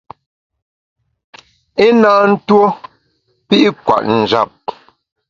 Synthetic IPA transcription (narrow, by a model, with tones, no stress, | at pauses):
e˦naː˦n̩˦two˦ | pi˦ʔi˦kwa̰˨ʔn̩˨d͡ʒa˨p̚